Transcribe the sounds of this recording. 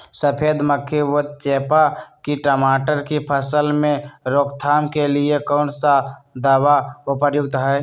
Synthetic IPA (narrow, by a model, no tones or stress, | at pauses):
səpʰeːd̪məkʰːeʋot̪t͡ʃeːpakiʈəmaːʈəɾkipʰəsəlmẽɾoːkt̪ʰaːmkeliekɔːnsad̪aːʋaʊpəɾjʊɡ̚t̪ɦɛ